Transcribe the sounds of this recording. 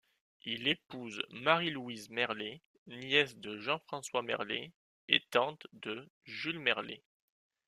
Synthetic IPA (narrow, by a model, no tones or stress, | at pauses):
ilepuzmaʁilwizmɛʁle | njɛsd̪əʒɑ̃fχɑ̃swamɛ̰ʁle | ḛt̪ɑ̃t̪d̪əʒylmɛʁlḛ